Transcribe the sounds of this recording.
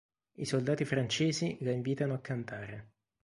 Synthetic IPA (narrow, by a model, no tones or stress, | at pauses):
isold̪aːt̪ifɾant͡ʃeːzilaiɱviːt̪anoakːant̪aːɾe